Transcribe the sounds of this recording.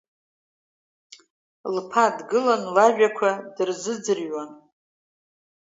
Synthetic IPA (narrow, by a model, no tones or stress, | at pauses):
lpʰadɡɨlanlaʒᶣakʷʰadɨrzɨd͡zɨrɥan